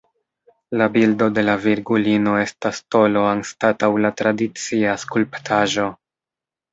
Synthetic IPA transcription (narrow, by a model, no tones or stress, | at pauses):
labildo̞de̞laviɾɡulino̞e̞stasto̞lo̞anstatawlatɾadit͡siaskulptʰaʒo̞